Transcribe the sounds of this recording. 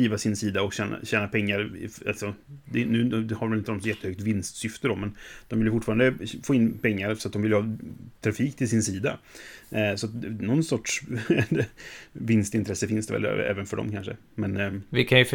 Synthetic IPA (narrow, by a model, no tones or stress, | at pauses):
iːvasɪnsiːd̪aɔkɕɛːna̰ɕɛːnapʰɛŋːaɾɪ̰a̰lsɔd̪ɛnʉ̟ːhaɾvvɛlɪnt̪ənɔt̪jɛt̪ːəhœk̚t̪vɪnst̪sʏft̪əɾɔmːɛnd̪̥ɔmvɪljəfʊʈfɑːɾand̪əfoːɪnːpʰɛŋːaɾsɔat̪̚d̪ɔmvɪljhɑːt̪ʰɾafiːkt̪ʰɪlsɪnsiːd̪a̰ | sɔat̪nɔnsɔʈʂɛvɪnst̪ɪnt̪ʰɾɛsːəfɪnsd̪ɛvɛ̰l̰ɛ̰ːvənfœɖɔ̰mkʰanʂə̰ | mɛnvɪkʰanjə